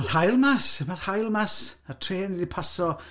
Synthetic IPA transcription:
mar̥hajlˠmasmarhajlˠmasatʰreːnidipʰasɔ

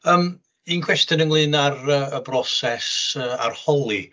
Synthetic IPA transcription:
əːm | inkʰw̥ɛstjənənlˠɨːnarəəbrɔsɛsəːa̰rhɔlˠi

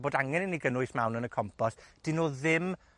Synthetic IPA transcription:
boːdaŋɛnəniɡənʊɨsmawnənəkʰɔmpʰɔsd̥inoːðɪm

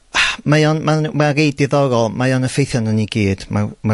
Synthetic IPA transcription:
majɔnmamarejdɪðɔɾɔlˠmajɔnəfejθjɔnəniɡiːd̥mama

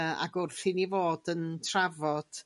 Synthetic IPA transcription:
a̰ɡʊrθinivoːdəntʰravɔd̥

